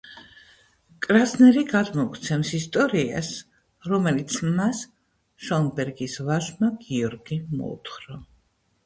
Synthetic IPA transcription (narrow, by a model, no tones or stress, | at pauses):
kʼɾasnɛɾiɡad̪mɔkʰt̪sʰɛmsist̪ʼɔɾia̰s | ɾɔmɛlit̪sʰmas | ʃɔnbɛɾɡisvaʃmaɡiɔɾɡimɔ̰ṵt̪ʰχɾɔ